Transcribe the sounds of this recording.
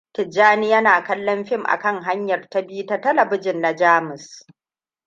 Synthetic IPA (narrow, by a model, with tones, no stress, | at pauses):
kɪ˨d͡ʒːaː˦ni˦jɐ˦naː˨kɐ˦lːɔ˦mɸɪ˦˨mʔa̰˨kɐ˦ŋɦa˦ɲjɐ˨rta˦bi˦u˦ta˦tɐ˦lɐ˨bɪ˦d͡ʒɪ˨nːa˨d͡ʒaː˦mʊ˨s